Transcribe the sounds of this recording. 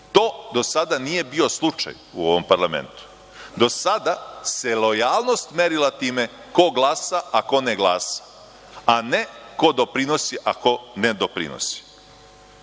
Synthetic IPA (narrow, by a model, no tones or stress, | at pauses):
t̪o̞ːd̪o̞sad̪anije̞bio̞slˠut͡ʃa̰j | ṵo̞ʋompaɾlamḛnt̪u̥ | d̪o̞sad̪aselo̞jaːlˠno̞st̪meɾilat̪iːme̞ | ko̞ɡlˠaːsaako̞neɡlˠaːsḁ | aneko̞d̪o̞pɾino̞siʔako̞ned̪o̞pɾḭno̰si̥